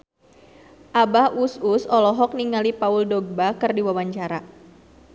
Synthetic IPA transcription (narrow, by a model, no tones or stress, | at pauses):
ʔabahususɔlɔɦɔk̚niŋalipauldɔɡ̚bakɨrdiwawaɲt͡ʃaɾa